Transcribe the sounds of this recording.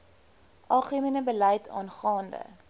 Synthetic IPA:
ʔɑːχəminəbələjtʰɑ̰ːnχɑːndə̰

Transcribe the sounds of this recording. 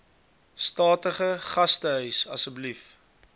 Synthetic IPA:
stɑːtəχəχɐstəɦœɥsɐsəblif

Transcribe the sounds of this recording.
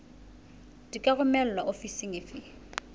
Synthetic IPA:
d̥ikʼaɣʊmɛl̩lwaʔofisɪŋɪfɪ

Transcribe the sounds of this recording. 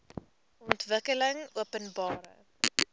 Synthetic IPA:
ɔntvəkələŋuəpənbɑːɾə̰

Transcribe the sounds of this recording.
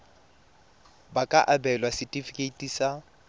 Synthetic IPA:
bakʼaʔabɛlwasɪtʼifikʼetʼisa

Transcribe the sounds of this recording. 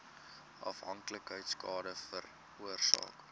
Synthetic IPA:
ʔɐ̰fɦɐŋkləkɦəjtskɑːdəfər | uərsɑ̰ːk

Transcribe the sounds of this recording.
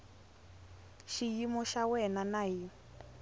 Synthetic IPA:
ʃijimɔʃawɛnanaji

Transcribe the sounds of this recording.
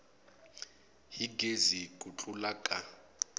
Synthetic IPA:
ɦiɡʱezikʼut͡ɬʼulakʼa

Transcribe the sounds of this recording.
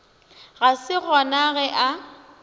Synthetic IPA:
ɣasɪɣɔnaɣɛʔa

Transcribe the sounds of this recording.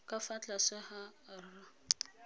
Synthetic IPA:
kʼafat͡ɬʼasɛhaara

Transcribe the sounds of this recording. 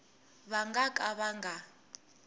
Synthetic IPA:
βaŋɡakʼaβaŋɡʱa

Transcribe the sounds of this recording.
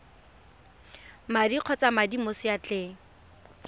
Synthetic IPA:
madiq͡χʰɔt͡samadimosɪjat͡ɬʼɪː

